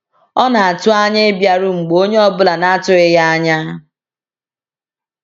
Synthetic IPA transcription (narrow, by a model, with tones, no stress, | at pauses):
ɔ˦na˨a˨tʊ˦a˦ɲa˦bja˨ɾʊ˦ŋ͡m̩˨ɡ͡bo˦ɲe˦ɔ˦bʊ˦la˨na˦tʊ˦ɪ˦ja˦a˦ɲa˦